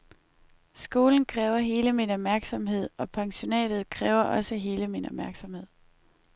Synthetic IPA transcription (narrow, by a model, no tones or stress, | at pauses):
sɡ̥o̝ːln̩kʰʁɛːʊɐɦe̝ːləminɒ̽b̥̚mæɐɡ̥sɒ̽mɦe̝ð̞̰ˠɒ̽pʰɑ̈ŋɕo̝nɛ̰ːd̥ð̩ˠkʰʁɛːʊɐʔɒ̽səɦe̝ːləminɒ̽b̥mæɐɡ̥sɒ̽mhe̝ð̰ˠ